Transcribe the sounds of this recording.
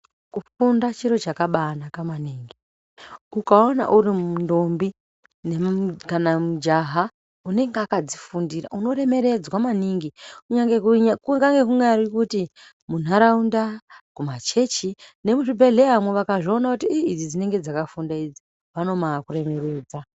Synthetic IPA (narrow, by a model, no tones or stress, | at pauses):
kufundat͡ʃiɾo̞t͡ʃakaɓanakamaniːŋɡi | ukao̞na̰ʔurimundo̞mbi | nekanamud͡ʒaɦa | une̞ŋɡeakad͡zifundira̰uno̞re̞me̞ɾe̞d͡zwamaniŋɡikuɲaŋɡekuŋɡaŋɡe̞kuŋɡaɾikuti | mun̤aɾaundakumat͡ʃe̞t͡ʃine̞muʐibʱe̞ɮe̞amweʋakaʐio̞nakutiiid͡zid͡zine̞ŋɡe̞d͡zakafundaid͡zi | ʋano̞makure̞me̞ɾe̞ːd͡za